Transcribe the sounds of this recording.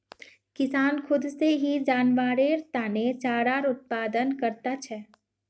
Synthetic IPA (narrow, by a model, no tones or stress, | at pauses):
kɪsaːnkʰʊd̪seɦid͡ʒaːnʋaːɾeɾt̪aːnet͡ʃaːɾaːɾʊt̪̚paːd̪ənkəɾt̪at͡ʃʰɛː